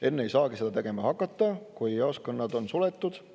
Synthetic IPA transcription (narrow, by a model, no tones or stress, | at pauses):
e̞nːee̞jsɑːɡ̥ise̞d̪ɑt̪e̞ɡ̥e̞mɑhɑkˑːɑt̪ːɑkujɑoskɑnːɑd̪̥o̞nsulet̪ːˑud̪̥